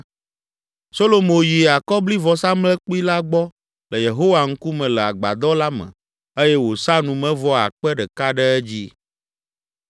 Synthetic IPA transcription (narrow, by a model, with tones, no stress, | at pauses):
so˦lo˦mõ˨ji˨a˨kɔ˦bli˦vɔ˨sa˦mlɛ˦k͡pi˦la˦ɡ͡bɔ˦ | lɛ˨je˨ɦo˦wa˨ŋ̩˦ku˦mɛ̃˨lɛ˨a˨ɡ͡ba̰˨d̪ɔ˦la˦mɛ̰̃˨ | e˦jɛ˦wo˨sa˦nũ˨mɛ̃˦vɔ˦a̰˨k͡pɛ˦ɖɛ˨ka˦ɖɛ˦ɛ˦d͡ʑi˦